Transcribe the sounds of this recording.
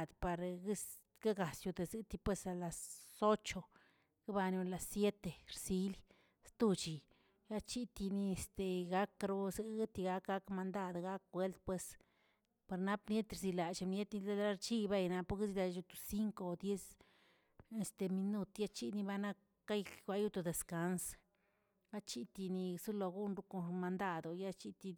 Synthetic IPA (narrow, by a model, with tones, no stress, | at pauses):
d̪pa˨ɾɡs | ɡa˦ɡa˨sju˧d̪e˨zɨ˦t̪i˧pwe˧sa˧la˨so˦t͡ʃo˧ | ɡ̥i˦ba˧nu˧la˨sje˦t̪e˨ɾsi˦li | st̪u˧t͡ʃi˨ | ja˦t͡ʃi˦t̪i˧ni˧e˨st̪e˨ɡa˦kɾo˦zɨ˧ɡɨ˦t̪i˧ɡa˧kɡa˦kma˧nd̪a˧d̪ɡa˦kːwe˦lt̪̚pwe˧s | pa˨ɾna˦pnje˦t̪ɾzi˧la˨t͡ʃa˧mnje˦t̪ni˧la˦lɾa˦ɾt͡ʃi˦ba˦jna˧pu˦kzi˧la˧˨t͡ʃju˧t̪o̥˧˨si˦ŋko˧˨d̪je˦s | e˨st̪e˨mi˧nu˦t̪ja˦t͡ʃi˦ni˧ba˧na˦kːa˦jɡʷa˧ju˦t̪o˧˨d̪e˨ska˦ns | ba˦t͡ʃi˦t̪i˧ni˧su˦lo˧ɡu˦nɾu˧ko˧ma˧nd̪a˦d̪o˨ja˦t͡ʃi˦t̪i˧